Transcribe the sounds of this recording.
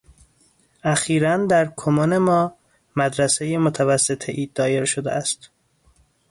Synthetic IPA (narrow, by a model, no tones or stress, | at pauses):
æxiːɾænd̪æɾkʰomɒːne̞mɒː | mæd̪ɾæsejemot̪ʰævæsːet̪ʰeʔiːd̪ːɒːje̞ɾʃod̪ḛæst̪